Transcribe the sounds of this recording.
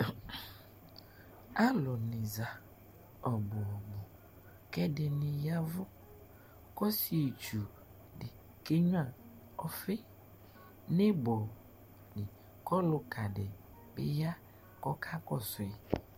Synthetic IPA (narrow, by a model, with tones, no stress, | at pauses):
a˦lɔ˨nĩ˨za˨ | ɔ˨bo˨ɔ˨bo˨ | kɛ˦ɖe˨nĩ˨ja˦vo˦ | kɔ˦si˦e˨t͡ʃu˨ | ɖe˨ | ke˦ɲ˦ã˨ | ɔ˦fe˦ | nẽ˦bɔ˨ | ni˨ | kɔ˦lo˦ka˨ɖe˨ | bḛ˦ja˦ | kɔ˦kʰa˦kɔ˦sɔ˨ɛ˨